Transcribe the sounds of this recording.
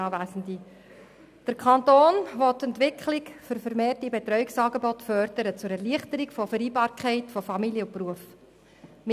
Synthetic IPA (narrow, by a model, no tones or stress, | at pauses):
ɑvæːsəndi | d̥əɾkʰχɑntoːnʋɔtːɛntʋɪkχlɪkfʏɾfəɾmeːrtibetɾœɥɪksɑːɡebɔtfœrd̥əɾət͡sʊɾɛrliəχtəɾikfɔfəɾiːbɑːɾkʰɛɪtfɔfɑmiljəʊpruəf | m